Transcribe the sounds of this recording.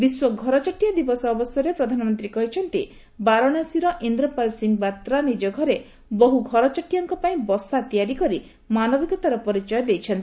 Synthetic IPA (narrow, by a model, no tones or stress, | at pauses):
biswɔɡʱɔɾɔt͡ʃɔʈijad̪ibɔsɔːbɔsjɔɾepɾɔd̪ʱanɔmɔnt̪ɾikɔɦit͡ʃʰɔnt̪i | baɾɔɽjasiɾɔʔind̪ɾɔpalsiŋɡbat̪ɾanid͡ʒɔɡʱɔɾe | bɔɦuɡʱɔɾɔt͡ʃaʈjaŋkɔpaĩbɔsat̪ijaɾikɔɾi | manɔbikɔt̪aɾɔpɔɾit͡ʃɔjɔd̪ejt͡ʃʰɔnt̪i